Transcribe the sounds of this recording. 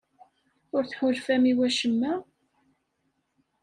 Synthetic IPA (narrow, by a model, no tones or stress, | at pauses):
ʊɾθħʊlfæmiwæʃəmːæ